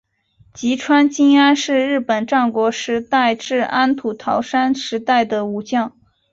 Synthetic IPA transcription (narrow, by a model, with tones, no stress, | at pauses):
t͡ɕi˧˥ʈ͡ʂʰwa˥nt͡ɕi˥ŋa˥nʂɻ̩˥˧ɻɻ̩˥˩pə˨˩nʈ͡ʂɑ˥˩ŋkwɔ˧˥ʂɻ̩˧˥t̪a˥˧ɪʈ͡ʂɻ̩˥˩a˥nt̪ʰu˨˩t̪ʰɑ˧˥ʊʂa˥nʂɻ̩˧˥t̪a˥˩ɪd̪ə˩u˨˩t͡ɕjɑ˥˩ŋ